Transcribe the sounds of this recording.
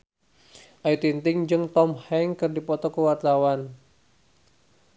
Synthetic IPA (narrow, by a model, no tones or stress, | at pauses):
ʔajut̪int̪ɪŋd͡ʒɨŋt̪ɔmhɛŋkɨrdipɔt̪ɔkəwart̪awan